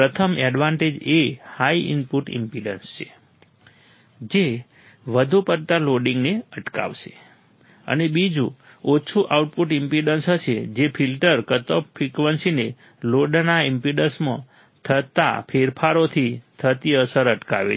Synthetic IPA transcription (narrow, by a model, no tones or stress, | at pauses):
pɾət̪ʰəmɛɖʋaɳʈed͡ʒehaiɪ̰mpuʈḭmpiɖə̰nst͡ʃʰe | d͡ʒe | ʋəd̪ʱupəɾt̪aloɖĩŋɡneəʈka̰ʋʃe | ə̰nebid͡ʒu | ot͡ʃʰuʔauʈ̚puʈɪmpiɖənsɦəʃʰed͡ʒepʰilʈəɾkət̪opfʰɾikʋənsine | loɖnaimpiɖəsmə̰̃ | t̪ʰət̪a̰pʰeɾpʰaɾot̪ʰit̪ʰət̪iəsəɾəʈka̰ʋḛ